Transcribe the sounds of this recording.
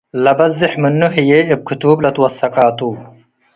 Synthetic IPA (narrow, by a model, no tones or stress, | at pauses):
lɐbɐzːɪħmɨnːuɦɪjeɨb̚kʰɨt̪ublɐt̪ʰwɐsːɐqʼaːt̪ʰuː